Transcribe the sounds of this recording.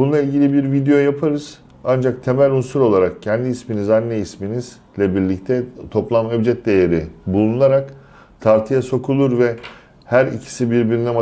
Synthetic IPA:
bunlˠailʲɟʲilʲibiɾvid̪ejo̞japʰaɾɯz̥ | and͡ʒak̚t̪ʰe̞mælʲunsuɾo̞lˠaɾak̚cʰɛnd̪iːsminizanːɛisminiz | lʲɛbiɾlʲict̪ʰɛt̪ʰo̞plˠamɛbd͡ʒɛt̪̚d̪e̞jeɾibulˠunˠaɾak | t̪ʰaɾt̪ʰijaso̞kʰulˠuɾvɛ | hæɾicʰi̥sibiɾbiɾinɛma

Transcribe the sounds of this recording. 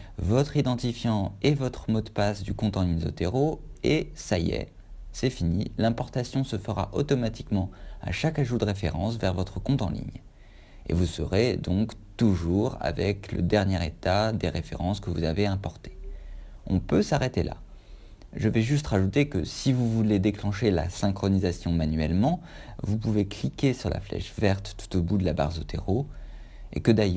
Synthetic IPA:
vɔt̪χid̪ɑ̃t̪ifjɑ̃evɔt̪χəmɔd̪pasd̪ykɔ̃t̪ɑ̃inzo̰t̪eʁoesajɛ̰ | sɛfinilɛ̃pɔʁt̪asjɔ̃səfəʁa̰ʔot̪ɔmat̪i̥kmɑ̃a̰ʃakaʒud̪əʁefḛʁɑ̰̃svɛʁvɔt̪χəkɔ̃t̪ɑ̃lḭɲ | ḛvusəʁed̪ɔ̃kt̪uʒuʁa̰vɛklə̰d̪ɛʁnjɛʁet̪ad̪eʁefḛʁɑ̃skəvuzaveɛ̃pɔʁt̪e̥ | ɔ̰̃pøsaʁet̪elʔa̰ | ʒəvɛʒyst̪ʁaʒut̪ekəsivuvuled̪eklɑ̃ʃela̰sɛ̃kχɔnizasjɔ̃manɥɛlmɑ̃vup̬uveklikʲesyʁla̰flɛ̰ʃvɛʁt̪ːu̥t̪obud̪əlaba̰ʁzot̪ḛʁo | ḛkəd̪aj

